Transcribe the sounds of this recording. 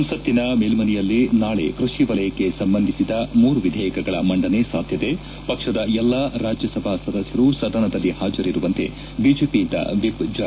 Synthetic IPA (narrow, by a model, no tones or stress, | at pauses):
msɐt̪ːinɐmeːlmɐnijɐlːinaːɭe̞̰kɾuʂiʋɐlɐjɐkːe̞sɐmbɐnd̪ʱisid̪ɐmuːɾuʋid̪ʱɛːjɐkɐɡɐɭɐmɐɳɖɐnesaːd̪ʱjɐd̪e̞ | pɐkʂɐd̪ɐɛlːaɾaːd͡ʒjɐsɐbʱasɐd̪ɐsjɐɾusɐd̪ɐnɐd̪ɐlːihaːd͡ʒɐɾiɾuʋɐnt̪e̞̰ | biːd͡ʒeːpint̪ɐ̰ʋibd͡ʒa